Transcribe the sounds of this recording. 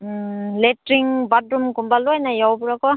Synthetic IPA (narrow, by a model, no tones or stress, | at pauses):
letɾiŋbadɾumkumbalojnajawbuɾakɔ